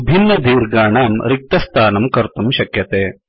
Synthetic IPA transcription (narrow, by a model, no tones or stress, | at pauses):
bʱinːɐd̪ʱiːɾɡaːɳaːmɾik̚t̪ɐst̪ʰaːnɐmkɐɾt̪umʃɐkjɐt̪eː